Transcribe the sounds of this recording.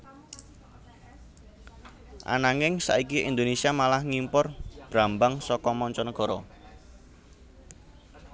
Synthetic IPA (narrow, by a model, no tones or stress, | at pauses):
ʔa̰naŋɪŋsa̰ʔikiʔind̪onesiamalahŋimpʊrb̥ɾambaŋsɔkɔmɔɲt͡ʃɔnɔɡ̥ɔ̤ɾɔ